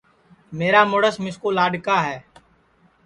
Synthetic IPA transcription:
meːɾaːmoːɽəsmɪskuːlaːɖkaːɦɛː

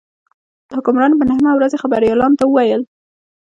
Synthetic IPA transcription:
d̪̥əhʊkʊmɾɑnbənahmawɾazexabaɾjɑlɑnot̪awəwajəl

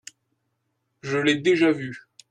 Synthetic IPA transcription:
ʒəlɛd̪eʒavy

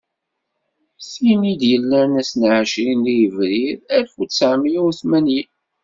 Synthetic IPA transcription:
sinid̪jəlːæɾnæsnʕəʃɾinlijəvɾiðæɾfusəʕmijuɾθmænji

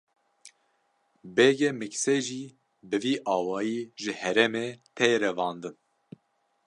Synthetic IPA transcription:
bɛːɡɛmɨksɛʒiː | bɨviːʔɑːwɑːjiːʒɨhɛɾɛmeːt̪ʰɛjeɾɛvɑːnd̪ɨn

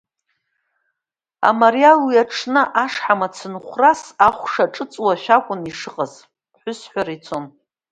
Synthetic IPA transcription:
a̰maɾialwiaʈ͡ʂʰnɨʔaʂħamat͡sʰɨnχʷrasaχʷʂaʈ͡ʂʼɨt͡sʼwaʃʷᶣakʷʼʊniʂɨqʼaz | ħʷʊsħʷaɾit͡sʰon

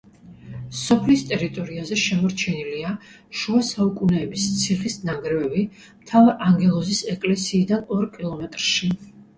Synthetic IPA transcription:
sɔpʰlist̪ʼɛɾit̪ʼɔɾiazɛʃɛmɔɾt͡ʃʰɛnilia | ʃuasaukʼunɛːbist̪sʰiχisnaɡɾɛvɛbi | mt̪ʰavaɾaŋɡɛlˠɔzisɛkʼlɛsiːd̪anɔɾkʼilˠɔmɛt̪ʼɾʃi

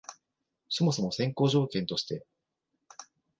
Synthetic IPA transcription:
so̞mo̞so̞mo̞sẽ̞ŋko̞ːʑo̞ːkẽnt̪o̞ɕi̥t̪e̞

